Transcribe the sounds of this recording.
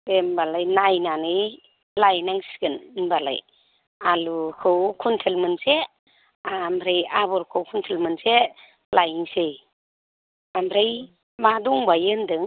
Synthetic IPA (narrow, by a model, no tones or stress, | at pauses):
embalajnajnanɯj | lajnaŋsi̥ɡɯnmbala̰j | alukʰɯwkʰuntʰelmɯnse | amɾejabɔɾkʰɯwkʰuntʰelmɯnse | lajŋsej | amɾej | madɔŋbajɯndɯŋ